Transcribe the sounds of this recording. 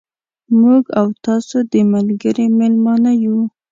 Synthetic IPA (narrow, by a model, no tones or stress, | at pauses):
muɡawt̪ɑsod̪əmalɡəɾimelmɑnaju